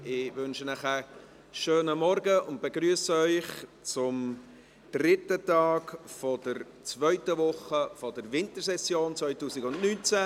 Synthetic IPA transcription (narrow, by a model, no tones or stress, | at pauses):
ɪvʏnʃənæχə | ʃøːnəmɔɾɡəʊnt̚b̥eɡɾyːəsəœʏχt͡sʊm | d̥rɪtətɑːɡfɔd̥əɾ | t͡svœʏtəʋʊχəfɔdəɾvɪntəɾsɛsjoːnt͡svœʏtuːsɪɡʊnnyːnt͡sæ